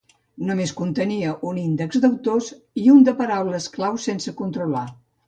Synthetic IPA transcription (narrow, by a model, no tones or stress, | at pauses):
numeskunt̪əniəʔunind̪əɡzd̪əwt̪os | iund̪əpəɾawləsklawsensəkunt̪ɾula